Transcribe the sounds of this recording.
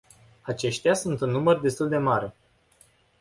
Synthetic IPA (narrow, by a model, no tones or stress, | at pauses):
at͡ʃe̞ʃt̪easunt̪ɨnːumərd̪e̞st̪uld̪e̞maɾe